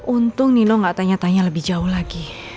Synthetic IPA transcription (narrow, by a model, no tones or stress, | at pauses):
unt̪ʊŋninɔŋɡaʔt̪aɲat̪aɲaləbɪhd͡ʒaʊhlaɡi